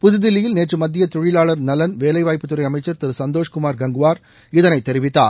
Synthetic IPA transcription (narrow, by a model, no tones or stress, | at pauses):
pʊðɯðɪlːɪjɪlneːʈrɯmɐd̪ːɪjɐt̪ʊɻɪlaːɭɐɾnɐlɐnʋeːlɐɪʋaːjpːɯt̪ːɯɾɐɪɐmɐɪt͡ʃːɐɾt̪ɪɾɯsɐnd̪oːʂkʊmaːɾɡɐŋɡɯʋaːɾ | ɪðɐnɐɪt̪ːɛɾɪʋɪt̪ːa̰ː